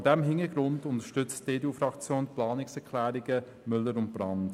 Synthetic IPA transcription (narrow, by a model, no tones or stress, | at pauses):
dɛmɦɪnəɡɾʊndʊntəʃtʏt͡std̥eːduːfɾɑkt͡sjoːnpʰlɑːnɪksɛʁkʰlæːɾɪɡə | mʏlːəɾʊnt̚b̥ɾɑnd̥